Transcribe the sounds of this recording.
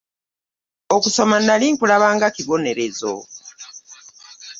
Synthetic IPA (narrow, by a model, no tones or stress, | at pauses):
okuso̞manaliːŋkulaβaːŋɡakiβo̞ne̞ɾe̞zo̰